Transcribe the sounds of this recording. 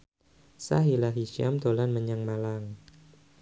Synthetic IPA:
saɦilaɦiʃia̰md̪olanməɲaŋmalaŋ

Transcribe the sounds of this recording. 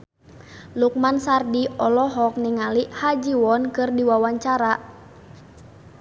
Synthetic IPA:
luk̚mansardiɔlɔɦɔk̚niŋaliʔhad͡ʒiwɔnkɨrdiwawaɲt͡ʃaɾa

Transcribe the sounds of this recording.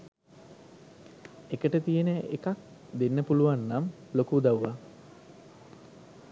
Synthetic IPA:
ekəʈət̪ijenəʔekak̚ | d̪enːəpuluʋanːamlokuːd̪awʋa

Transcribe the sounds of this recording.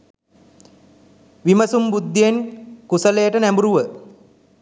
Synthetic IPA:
ʋiməsumbud̪ːienkusələjəʈənæmbuɾuʋə

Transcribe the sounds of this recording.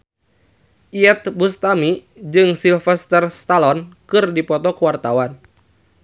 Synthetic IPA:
ʔiɛt̪̚bust̪ami | d͡ʒɨŋsilfɛst̪ɛrst̪alɔnkɨrdipɔt̪ɔkuwart̪awan

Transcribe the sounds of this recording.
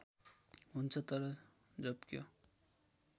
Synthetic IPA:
ɦunt͡sʰʌt̪ʌɾʌ | d͡zʌbkjo̰

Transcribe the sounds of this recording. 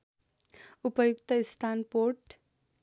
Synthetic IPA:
upʌjukt̪ʌist̪ʰanpoɾʈ

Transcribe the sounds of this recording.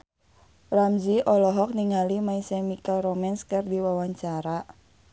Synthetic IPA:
ramziʔɔlɔɦɔk̚niŋalimaisɛmikalromɛnskɨrdiwawaɲt͡ʃaɾa

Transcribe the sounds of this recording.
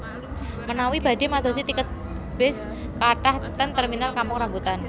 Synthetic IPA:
mənawib̥a̤demad̪osit̪ikət̪̚ | b̥ɪs | kaʈaht̪ənt̪ərminalkamʊŋɾaŋɡut̪an

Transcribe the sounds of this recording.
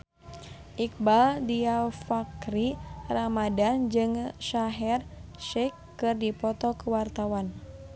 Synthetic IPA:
ʔik̚baldiafakriramadand͡ʒɨŋʃaɦɛrʃɛkːɨrdipɔt̪ɔkəwart̪awan

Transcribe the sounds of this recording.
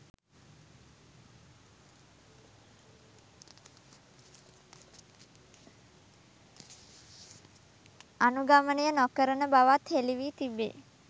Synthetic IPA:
anuɡamənəjənɔkəɾənəbaʋat̪heliʋiːt̪ibːḛː

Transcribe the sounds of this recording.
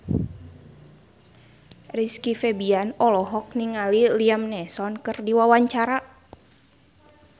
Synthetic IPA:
riskifɛbianɔlɔɦɔk̚niŋaliliamnɛsɔnkərdiwawaɲt͡ʃaɾa

